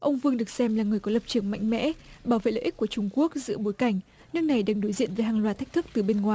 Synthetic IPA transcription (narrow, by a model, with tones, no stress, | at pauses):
ʔə˧wŋ͡mvɨ˧əŋɗɨ˨˩ək̚sɛ˧mlaː˨˩ŋɨ˨˩əjkɔ˨˦lə˨˩p̚t͡ɕɨ˨˧˩əŋma̰˧˨jŋ̟mɛ̰˧˥ɓaː˨˧˩wvḛ˧˨lə̰ː˧ʔi˦˥k̚u˧˩ət͡ɕʊ˧ŋ͡mku˦˥ək̚zɨ̰˧˥əɓo˨˦jka˨˩jŋ̟ | nɨ˦˧˥ŋ̚na˨˩jɗaː˧˩ŋɗo˨˦jzḭ˧˨ənveː˨˩ɦaː˨ŋlwaː˨˩t̪ʰk̚t̪ʰɨ˦˥k̚t̪ɨ˨˩ɓe˧nŋwaː˨˩